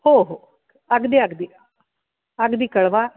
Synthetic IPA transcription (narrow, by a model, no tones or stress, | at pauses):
hoɦo | aɡd̪iaɡd̪i | aɡd̪ikəɭʋa